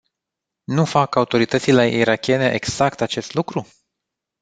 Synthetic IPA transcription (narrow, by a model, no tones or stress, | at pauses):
nufakaut̪o̞ɾit̪ət̪sile̞ʔiɾakʲe̞ne̞ʔeɡz̥akt̪at͡ʃe̞st̪lukɾu